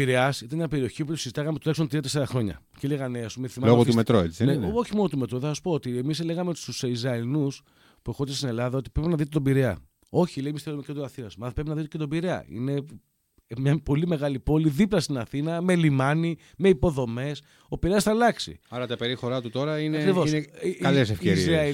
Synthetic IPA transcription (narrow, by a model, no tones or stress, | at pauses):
iɾeɐsit̪ɐnɲɐpe̞ɾio̞çioput̪o̥sizit̪ɐkɐmpt̪uleksont̪ɾiɐt̪̬eseɾɐxɾo̞ɲɐ̰ | celeɣɐneɐsumeθimɐmloot̪umet̪ɾoet͡sieneoçimo̞not̪ume̞t̪ɾoðesɐsu̥po̞ot̪iemisleɣɐmeoi̥st̪usizɐenus | pue̞xot̪est̪ine̞lɐðɐo̞t̪i̥pɾepinɐðit̪et̪obiɾeɐ̰ | o̞çileimist̪ieɾomicot̪uɐθinɐsmɐθpɾep̬inɐðit̪eket̪o̞biɾeɐ̰ḭne̞ | mɲɐpo̞lime̞ɣɐlipo̞liðiplɐst̪inɐθinɐme̞limɐni | me̞ipo̞ðo̞me̞s | o̞piɾeɐsθɐlɐksḭɐɾɐt̪ɐpeɾixo̞ɾɐt̪ut̪o̞ɾɐinɐekɾivo̞sineɐles̬efeizɐ